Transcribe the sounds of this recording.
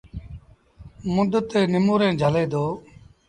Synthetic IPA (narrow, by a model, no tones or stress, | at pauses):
mʊd̪ət̪ːeːnɪmuːɾẽːd͡ʒʱəleːd̪oː